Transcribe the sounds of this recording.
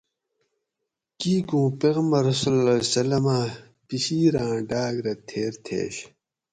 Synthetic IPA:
kiːkũːpeːɣmɐɾsulɐsɐlɐmaː | piɕiːɾãːɖaːɡɾɐt̪ʰeːɾt̪ʰḛːɕ

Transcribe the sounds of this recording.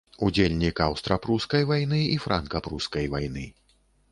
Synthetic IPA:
ud͡zʲelʲnʲikɐwst̪ɾɐpɾuskɐjvajnɨifɾʔankɐpɾuskɐjvajn̪ɨ

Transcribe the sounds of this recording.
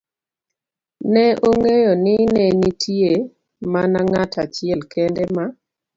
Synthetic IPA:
nɛʔoŋejonɪnɛnitʰie | manaŋatat͡ʃɪɛlkɛndɛma

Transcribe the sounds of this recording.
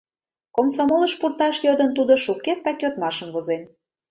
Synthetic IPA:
komsomoləʃpurt̪ɑʃjød̪ə̆nt̪ud̪ŏʃukːet̪̚ːɑkʲøt̪mɑʃə̆mβozen

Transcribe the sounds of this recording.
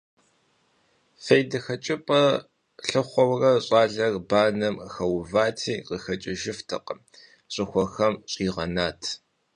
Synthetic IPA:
fejdɐxɐt͡ʃʼɪpʼɐ | ɬɨχʷɔwrɐɕʼɑːɮɐrbaːnɐmxɐwvaːtʰiːqəxɐt͡ʃʼɪʒɪftʰɐ̰qʼəm | ɕʼɪxʷɔxɐmɕʼiːʁɐ̰naːtʰ

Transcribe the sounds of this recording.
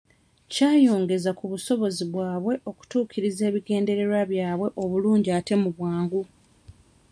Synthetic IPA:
caːjo̞ːŋɡe̞zakuβuso̞βo̞ziβwaːβwe̞ʔo̞ku̥tuːkʰiɾize̞ːβiɡe̞ːnde̞ɾe̞ɾaβjaːβwe̞ʔo̞βuluːɲɟiate̞muβwaːŋɡu

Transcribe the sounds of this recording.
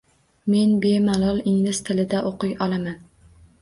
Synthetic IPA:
me̞nbemalˠɒlˠɪŋlɪst̪ʰɪlɪd̪aʔoqʊjɒlˠaman

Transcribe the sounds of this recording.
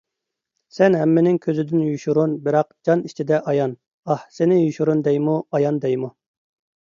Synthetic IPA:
sɛnɦɛmːɪnɪŋkʲʰøzɪd̪ɪnjuʃuɾunbɪɾɑqd͡ʒɑnit͡ʃʰid̪ɛʔɑjɑn | ɑhsenɪjuʃuɾund̪ɛjmuɑjɑnd̪ɛjmu

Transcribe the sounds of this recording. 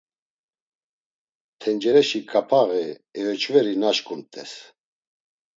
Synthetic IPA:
t̪ʰɛnd͡ʒɛɾɛʃikʼapʰaʁɛɛjɔt͡ʃʰvɛɾinaʃkʼunt̪ʼɛs

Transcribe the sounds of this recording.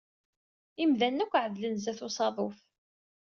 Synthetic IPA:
imðænːækʷːʕəðlənzæθʊsˤɑðˤof

